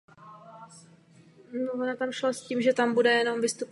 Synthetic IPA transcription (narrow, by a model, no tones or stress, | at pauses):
novonot̪amʃlosciːmʒɛt̪ambudɛjɛno̞mvɪst̪up